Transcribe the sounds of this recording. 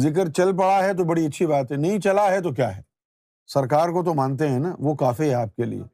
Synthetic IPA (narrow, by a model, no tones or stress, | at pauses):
zɪk̬əɾt͡ʃɐlp̬ɐɽaɦɛt̪̬obɐɽiɐtːʃʰibaːt̪ɦɛnɐɦĩt͡ʃɐlaɦɛt̪ok̬jaːɦɛ | sɐɾkaːɾkot̪̬omãːnt̪̬eɦɛ̃naʋokaːfiɦɛaːp̚kelḭḛː